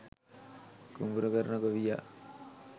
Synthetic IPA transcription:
kumbuɾəkəɾnəkəʋija̰

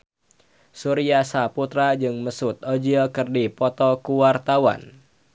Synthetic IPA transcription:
suɾiasaput̪ɾad͡ʒɨŋməsut̪̚od͡ʒiɔkərdipɔt̪ɔkuwart̪awa̰n

